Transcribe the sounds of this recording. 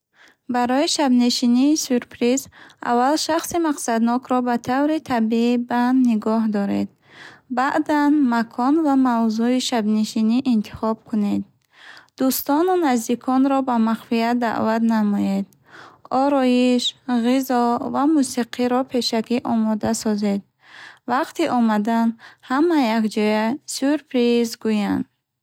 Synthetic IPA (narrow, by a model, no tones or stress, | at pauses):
baɾɔiʃabneʃiniːsyɾpʰɾiza̰valʃaχsimaqsad̪nɔkʰɾɔbat̪ʰavɾit̪ʰabibanːiɡɔɦd̪ɔɾḛd̪ | baʔd̪anmakʰɔnvamavzuiʃabniʃiniʔint̪ʰi̥χɔb̥kʰuned̪ | d̪̥ust̪ɔnunazd̪ikʰɔnɾɔbamaχfiat̪̚d̪a̰ʔvat̪namɔjed̪ | ɔɾɔjiʃʁizɔvamusiqʰiɾɔpʰe̞ʃakiʔɔmɔd̪asɔze̞d̪̚ | vaqt̪iʔɔmad̪anhamajakd͡ʒɔjasyɾpʰɾizɡujand̪